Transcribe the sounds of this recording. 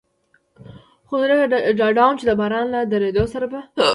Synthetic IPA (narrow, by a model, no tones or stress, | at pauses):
xod̪ɾəɡaɖɑɖɑnt͡ʃed̪əbɑɾɑnlad̪aɾed̪osaɾaba